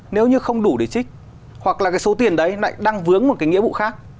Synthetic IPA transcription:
ne˨˦wɲɨ˧xə˧wŋ͡mɗu˧˩ɗe˨˧˩t͡ɕï˦˥k̟̚ | hwa˨˩k̚laː˨˩kaː˨˦jso˨˦t̪i˨˩ənɗə˨˦jla̰ː˧˨jɗaː˧ŋvɨ˨˦əŋmo˨˩t̚kːaː˨˦jŋḭ˧˥əvṵ˧˨xaː˦˥k̚

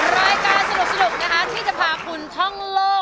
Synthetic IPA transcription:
ɾaː˦˧˥jkaː˧nsa˧du˨˩sa˧du˨˩k̚na˦˥kʰa˦˥t̪ʰiː˥˩sa˧˩pʰaː˧pʰu˧nt̪ʰɔ˥˩ŋloː˥˩

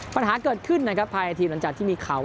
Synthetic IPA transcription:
pa˧nɦaː˩˦kɤː˨˩t̪̚kʰɯ˥˩nːa˦˥kʰɾa˦˥pʰːaː˧jʔa˧t̪ʰiː˧la˨˩˦ŋt͡ɕaː˨˩t̪ʰiː˥˩miː˧kʰaː˨˩w

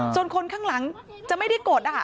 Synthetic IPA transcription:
t͡ɕo˧nkʰo˧nkʰaː˥˩ŋla˩˦ŋ | t͡ɕa˨˩ma˥˩jda˥˩jkoː˨˩t̪̚ʔa˨˧˩

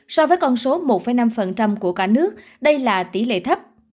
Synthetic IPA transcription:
sɔ˧vəː˨˦jkɔ˧nso˨˦mo˨˩t̚fə˧˩jna˧mfə˨˩nt͡ɕa˧mku˧˩əkaː˧˩nɨ˦˥ək̚ | ɗə˧jlaː˨˩t̪i˧˩lḛ˧˨t̪ʰə˦˥p̚

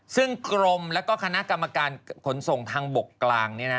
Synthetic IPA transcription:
sɯ˥˩ŋkɾo˧mlɛː˦˥wkɔː˥˩kʰa˧na˦˥ʔka˧mːa˧kaː˧nkʰo˩˦nso˨˩ŋt̪ʰaː˧ŋbo˨˩kːlaː˧ŋniː˦˥˩na˦˥

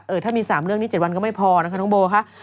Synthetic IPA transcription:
ʔɤː˨˩t̪ʰaː˥˩miː˧saː˩˦mɾɯ˥˩əŋi˦t͡ɕe˨˩t̚wa˧nkɔ˥˩ma˥˩jpʰɔː˧na˦˥kʰa˥˩ɔː˧˥boː˧kʰa˦˥ʔ

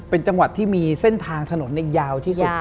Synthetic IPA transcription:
pe˧nt͡ɕa˧ŋwa˨˩t̪ʰːiː˥˩miː˧se˥˩nt̪ʰaː˧ŋt̪ʰa˧no˩˦nːa˧jjaː˧wt̪ʰiː˥˩u˨t̪̚

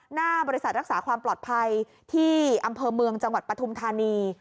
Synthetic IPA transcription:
naː˥˩bɔː˧ɾi˦˥sa˨˩t̪̚ɾa˦˥k̚saː˩˦kʰwaː˧mplɔː˨˩t̪̚pʰa˧j | t̪ʰiː˥˩ʔa˧mpʰɤː˧mɯ˧əŋt͡ɕa˧ŋwa˨˩t̪̚pɾa˧t̪ʰu˧mt̪ʰaː˧niː˧

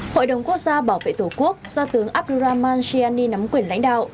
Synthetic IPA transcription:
ho̰˧˨jɗə˨˩wŋ͡mku˦˥ək̚zaː˧ɓaː˧˩wvḛ˧˨t̪u˧˩ku˦˥ək̚z̥ɔ˧t̪ɨ˨˦əŋʔaː˦˥p̚ɗu˧zaː˧maː˧nsi˧aː˧ni˧na˨˦mkwi˧˩ənla̰˧˥jŋ̟ɗa̰ː˧˨wʔ

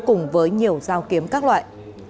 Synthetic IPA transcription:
kʊ˨˩ŋ͡mvəː˨˦jɲi˨˩əwzaː˧wki˨˦əmkaː˦˥k̚lwa̰ː˧˨j

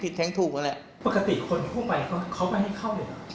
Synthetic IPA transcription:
pʰi˨˩t̪̚ʰːɛː˦˥ŋt̪ʰuː˨˩k̚ma˧lɛ˨˩ʔ | pa˨˩ka˧t̪i˨˩kʰo˧nt̪ʰu˥˩ɐpa˧jkʰa˦˥kʰa˦˥wma˧˩jɦa˥˩jkʰa˥˩wnɔ˨˩

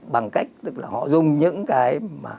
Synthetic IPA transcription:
ɓa˨˩ŋka˦˥jk̚t̪ɨ˦˥k̚laː˨˩hɔ̰˧˨zʊ˨˩ŋ͡mɲɨ̰˧˥ŋkaː˨˦jmaː˨˩

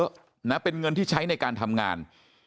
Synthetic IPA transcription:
ʔ | na˦˥pe˧nŋɤ˧nt̪ʰiː˥˩t͡ɕʰa˦˥jna˧jkaː˧nt̪ʰa˧mŋaː˧n

